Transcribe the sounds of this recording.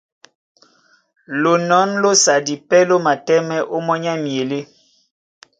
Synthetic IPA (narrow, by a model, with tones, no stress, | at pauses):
lo˨nɔ˨˦nlo˦sa˨di˨pɛ˦lo˦ma˨tɛ˦mɛ˦ʔo˦mɔ˦ɲa˦mje˨le˦